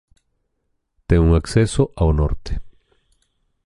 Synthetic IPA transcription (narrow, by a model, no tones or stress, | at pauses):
t̪eŋuŋaksesoʔawno̰ɾt̪e̥